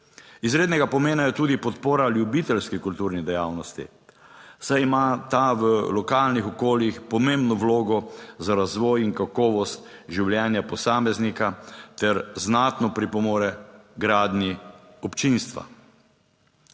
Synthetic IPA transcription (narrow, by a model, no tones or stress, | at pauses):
izɾeːd̪nɛɡapɔmeːnajɛt̪uːd̪ipɔt̪poːɾaljubit̪ɛlskikult̪uːɾnid̪ɛjaːwnɔst̪ḭ | sajimat̪aʋəlɔkaːlnixɔkoːljixpɔmẽmbnɔʋloːɡɔzaɾazʋɔjiŋkakɔːʋɔst̪ | ʒiwljɛːnjapɔsaːmɛznikat̪ɛɾznaːt̪nɔpɾipɔmoːɾɛɡɾaːd̪ni | ɔpt͡ʃinst̪ʋa̰